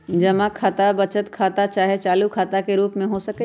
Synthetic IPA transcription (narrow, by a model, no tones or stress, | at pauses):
d͡ʒɐmakʰaːt̪abɐt͡ʃət̪kʰaːt̪at͡ʃaːɦet͡ʃaːlukʰaːt̪akeɾuːpmẽɦosɐke